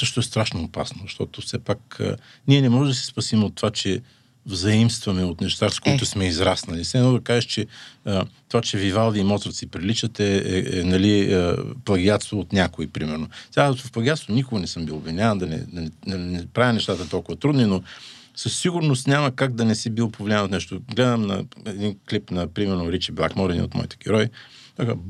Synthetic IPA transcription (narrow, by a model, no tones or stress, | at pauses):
sɤʃt̪oɛst̪ɾaʃnoːpa̰snozɐʃt̪ɔt̪ofsɛpakə̰ | nʲiɛnɛmɔʒɛd̪ɐsɛ̥spɐsimɛot̪ːovat͡ʃɛ | vzɐimst̪vɐmɛot̪nɛʃt̪askoit̪ʊsmɛizɾasnɐlisɛɛnɔd̪ɐkaʒɛʃt͡ʃɛ | t̪ovat͡ʃɛvivalˠviːmɔt̪sɾt̪sipɾilit͡ʃɐt̪ɛɛ̰ɛnɐliplˠɐɡiat̪st̪voot̪nʲakoipɾimɛɾnosɛavfplˠɐɡʲat̪st̪vonʲikoɡɐnɛsəmbilˠobvinʲavənd̪ɐnɛ̰d̪ɐnɛd̪ɐnɛpɾavʲjɐnɛʃt̪at̪ət̪ɔlˠkʊvɐt̪ɾud̪nino | səsːiɡʊɾnost̪nʲamɐkaɡ̚d̪ɐnɛsɛbilˠpovlʲiavnot̪nɛʃt̪oɡlɛd̪əmnɐ̰ɛd̪inklipnɐpɾimɛɾnoɾit͡ʃiblˠa̰xmɔɾɛnḭo̰t̪mɔ̰it̪ɛ̥ɡʲɛɾɔj̪ | oka